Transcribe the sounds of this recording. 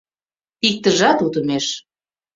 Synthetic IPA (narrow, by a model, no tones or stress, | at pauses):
ik̚t̪əʒɑt̪ut̪ə̆meʃ